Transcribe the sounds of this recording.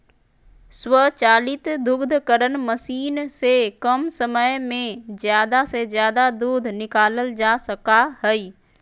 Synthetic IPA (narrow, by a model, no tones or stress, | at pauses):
swət͡ʃaːlɪt̪d̪ʊɡd̪ʱkəɾənməsiːnsekəmsəməjmẽzjaːd̪asezjaːd̪ad̪uːd̪ʱnɪkaːləld͡ʒaːsəkaɦɛi